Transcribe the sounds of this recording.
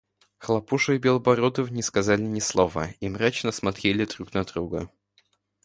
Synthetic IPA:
xlˠɐpuʂɨbʲelˠbɐɾod̪əfnʲɪskɐzalʲɪnʲɪslˠovə̰imɾat͡ɕnəsmɐt̪ɾʲelʲɪd̪ɾuknɐd̪ɾuɡə

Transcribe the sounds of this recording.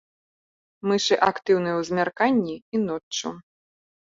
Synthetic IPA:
mɨʂɨʔakt̪ɨwnɨjɛwzʲmʲarkanʲːiinɔt͡ʂːṵ

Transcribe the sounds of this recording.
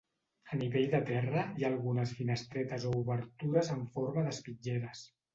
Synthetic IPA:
əniβeʎd̪ət̪ɛrəiaːlˠɣunəzfinəst̪ɾɛt̪əzouβəɾt̪uɾəzəɱfoɾməðəspid͡ʒɛɾəs

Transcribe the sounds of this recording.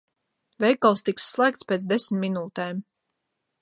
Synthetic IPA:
vɛjkalˠst̪iksːlˠæːk̚t̪spʲeːt̪sd̪esmʲminuːt̪ɛːm

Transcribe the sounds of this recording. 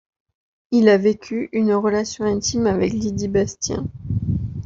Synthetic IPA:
ilavekʲʰyʔynʁəlasjɔ̃ɛ̃t̪imavɛklid̪ibast̪jɛ̰̃

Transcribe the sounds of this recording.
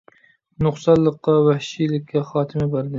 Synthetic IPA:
nʊqsɑllˠɨqːɑwæhʃilɪkʲʰːaχɑːt̪ʰɪmɪbæɾd̪ɪ

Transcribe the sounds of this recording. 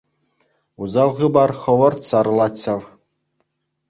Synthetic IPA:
uzɑlʁɯbɑrχɤ̆ʋɤ̆rt̪sɑrlˠɑt͡ɕːɑw

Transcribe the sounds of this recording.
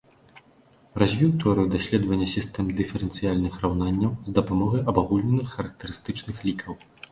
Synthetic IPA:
razʲvʲiwt̪ɔɾɨwd̪asʲlʲɛd̪vɐnʲːɐsʲist̪ɛmd̪ɨfʲɛɾɛnt̪sɨjalʲnɨxrawnanʲːɐwzd̪ɐpamɔɣɐjʔɐbaɣulʲnʲɛnɨxːɐɾɐk̚t̪ɐɾɨst̪ɨt͡ʂnɨxlʲikʰɐw

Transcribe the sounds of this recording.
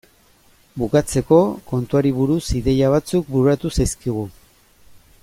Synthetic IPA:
bukat͡se̞ko̞ko̞nt̪uaɾiβuɾusiðe̞jaβ̞at͡suk̚buɾuat̪usajskiɣ̞u

